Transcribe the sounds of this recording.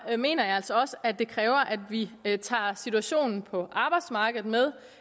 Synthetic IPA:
me̝̰ːnɐjɑ̈æl̰sɒɒ̽səædd̥e̝kʰʁɛːʊɐʔæd̥ʋit͡sʰɑ̰̈ːsit͡sʰuæɕo̝̰ːnn̩pʰɒ̽ʔɑ̈ːb̥ɑ̈ɪd̥smɑ̈ːɡ̥ð̩ˠmeð̞ˠ

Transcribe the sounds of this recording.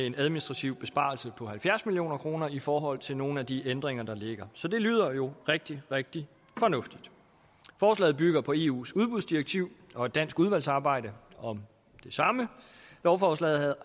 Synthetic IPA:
ee̝næðˠminisd̥ʁɑ̈t͡sʰiʊ̰b̥e̝sb̥ɑ̈lsəpʰɒ̽hælfjæɐsmilio̝̰ːnɐkʰʁo̝ːnɐifɒːɦɒ̽l̰t͡sʰe̝lno̝ːn̩æd̥iʔend̥ʁeŋɐd̥ɑ̈le̝ɡ̥ɐsɒ̽d̥e̝ly̰ːð̞̰ˠɐjo̝ʁeɡ̥̚d̥iʁeɡ̥̚d̥i | fɒ̽nɔ̽fd̥id̥ | fɒːslɛ̰ːð̩ˠb̥yɡ̥ɐpʰɒ̽e̝ːṵːsuð̞ˠb̥uðˠsd̥iʁeɡ̥̚t͡sʰiʊ̰ɒ̽e̝d̥ːæn̰sɡ̥uð̞ˠʋæl̰sɑ̈ːb̥ɑ̈ɪ̰ɾ̥əɒ̽m | d̥e̝sɑ̈mə | lɒʊfɒːslɛ̰ːð̩ˠhæð̩ˠ

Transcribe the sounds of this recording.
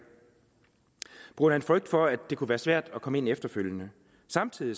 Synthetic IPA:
b̥uɐ̥hænfʁœɡ̥̚d̥fɒ̽æd̥e̝kʰuʋæːɐsʋæɐ̰d̥ɒ̽kʰɒ̽me̝n̰efd̥ɐføljənə | sɑ̈mt͡sʰið̰ˠi

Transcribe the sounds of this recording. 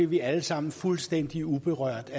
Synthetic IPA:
eʋiæləsɑ̈m̰n̩fulsd̥en̰d̥iub̥e̝ʁœɐ̰d̥æ

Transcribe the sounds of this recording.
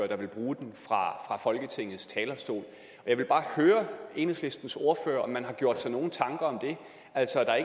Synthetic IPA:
øɐd̥ɑ̈ʋe̝lb̥ʁuːd̥enfʁɑ̈fʁɑ̈fɒ̽lɡ̥ət͡sʰeŋ̰ð̩ˠst͡sʰɛːlɐsd̥o̝̰ːl | ɒ̽jɑ̈ɪʋe̝lb̥ɑ̈ːhøːɐe̝ːnesle̝sd̥n̩so̝ɐfø̰ːɐʔɒ̽mːænɦɑ̈ɡ̥jo̝ɐ̰d̥sɑ̈ɪno̝ːn̩t͡sʰɑ̈ŋɡ̥ɐɒ̽md̥e̝ | ʔæl̰sɒæd̥ɑ̈eɡ

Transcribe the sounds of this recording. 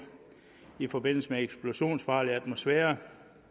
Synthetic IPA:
ifɒ̽be̝n̰l̩səmeeɡ̥sb̥lo̝ɕo̝̰ːnsfɑ̈ːliæd̥mo̝sfɛːɐ

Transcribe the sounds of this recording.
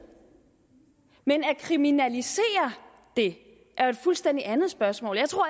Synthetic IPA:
menækʰʁiminælise̝̰ːɐ | d̥e̝ | ʔæe̝d̥fulsd̥en̰d̥iænð̞̩ˠsb̥ɶɐsmɔ̰̽ːljɑ̈ɪt͡sʰʁo̝ɐ̰

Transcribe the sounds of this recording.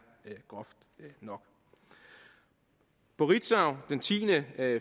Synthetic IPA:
ɡ̥ʁɒ̽fd̥nɒ̽ɡ̥ | b̥oʁid̥saʊd̥ent͡sʰḭːnə

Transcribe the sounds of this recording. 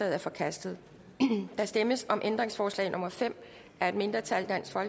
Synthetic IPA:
ɛð̩ˠæɐfɒ̽kʰæsd̥ð̩ˠ | d̥ɑ̈sd̥eməsɒ̽mʔend̥ʁeŋsfɒːslɛ̰ɪnʔo̽mɐfem̰ | æɐe̝d̥me̝nd̥ʁɐt͡sʰæld̥æn̰sfɒ̽l

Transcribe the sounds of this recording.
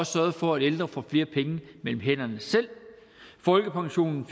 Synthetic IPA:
ɒ̽ssɶɐðˠfɒ̽æɾ̥end̥ʁɐfɒ̽fle̝ːɐpʰeŋəmel̰m̩ɦen̰ɐnəsel̰ | fɒ̽lɡ̥əpʰɑ̈ŋɕo̝̰ːnn̩f

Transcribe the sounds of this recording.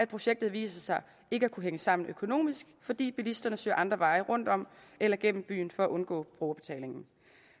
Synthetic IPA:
æd̥̚pʰʁo̝ɕeɡ̥̚d̥ð̩ˠʋḭːsɐsɑ̈ɪ | e̝ɡ̥əækʰuɦeŋəsɑ̈m̰n̩økʰo̝no̝̰ːmisɡ̥fɒ̽d̥ḭːb̥ilisd̥ɐnəsø̰ːɐʔɑ̈nd̥ʁɐʋɑ̈ɪəʁɔ̽n̰d̥ɒ̽m̰elɐɡ̥en̰m̩b̥y̰ːn̩fɒ̽æʔɔ̽nɡ̥ɔ̰̽ːb̥ʁoːɐb̥e̝̥t͡sʰɛ̰le̝ŋn̩

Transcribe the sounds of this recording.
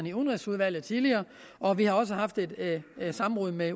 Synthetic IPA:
niunʁisuð̞ˠʋæl̰ð̩ˠt͡sʰiðˠliɐː | ʔɒ̽ʋihɑ̈ɒ̽s̬əɦɑ̈fd̥e̝d̥sɑ̈m̩ʁɔð̩̰ˠme

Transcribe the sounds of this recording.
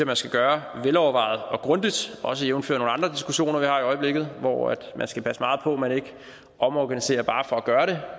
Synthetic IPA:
æmænsɡ̥æɡ̥ɶːɐʋelɒʊɐʋɑ̈ɪ̰ð̩ˠɒ̽ɡ̥ʁɔ̽nd̥id̥ɒ̽s̬əjeʊn̩fø̰ɐno̝ːnɑ̈ndʁɐd̥isɡ̥uɕo̝̰ːnɐʋihɑ̈iɒ̽ɪəb̥le̝ɡ̥ð̩ˠʋɒ̰æ̰d̥mʔænsɡ̥æpʰæsəmɑ̈ːð̞̩ˠpʰɒ̽mæne̝ɡ̥ə | ʔɒ̽mɒɡ̥ænise̝̰ːɐb̥ɑ̈ːfɒ̽æɡ̥ɶːɐɾ̥e̝

